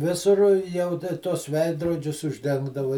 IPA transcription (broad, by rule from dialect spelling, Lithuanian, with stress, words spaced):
ˈʋʲɪsʊr ˈjɛʊ tɐ tuɔs ˈʋʲɛɪdroːd͡ʒʲʊs ʊʒʲˈdʲɛŋɡdɐʋɐɪ